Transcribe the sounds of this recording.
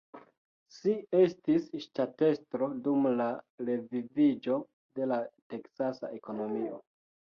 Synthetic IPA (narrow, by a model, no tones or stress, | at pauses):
ʃie̞stisʃtate̞stɾo̞dumlaɾe̞vivid͡ʒo̞ | de̞late̞ksasa̰ʔe̞ko̞no̞mio̞̰